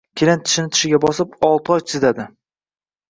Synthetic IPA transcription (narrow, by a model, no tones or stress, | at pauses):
kʲʰelant̪ʰɪ̥ʃɪnɪt̪ʰɪ̥ʃɪɡʲabɒsɪpɒlˠt̪ʰɨɒjt̪ʰɪzad̪ɪ